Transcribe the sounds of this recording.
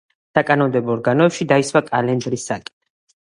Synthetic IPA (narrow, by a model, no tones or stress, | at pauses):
sakʼanɔmd̪ɛbɔɔɾɡanɔɛpʃid̪aiswakʼalɛnd͡ʒɾisːakʼi̥